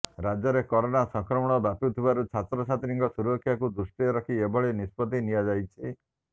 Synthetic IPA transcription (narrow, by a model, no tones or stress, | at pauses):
ɾad͡ʒɔɾekɔɾonasɔŋkɾɔmɔɽ̃ɔbaput̪ʰibaɾut͡ʃʰat̪ɾɔsat̪iɾiŋɡɔsuɾɔkʰjakud̪ɾusʈiɔɾɔkʰiebɔɭenispɔt̪inijad͡ʒajt͡ʃʰi